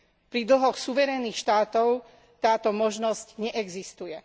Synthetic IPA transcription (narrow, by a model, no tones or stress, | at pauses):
pɾid̪l̩ɦɔxsuʋɛɾɛniːxʃt̪aːt̪ɔʊ | t̪aːt̪ɔmɔʒnɔscɲɛʔɛɡzist̪ujɛ